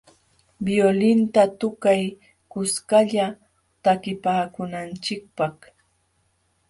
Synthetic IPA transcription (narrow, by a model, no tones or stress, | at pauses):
bjolɪnt̪at̪ʊkaj | kʊskaʎa | t̪akɪpaːkʊnant͡ʃɪk̚pɑχ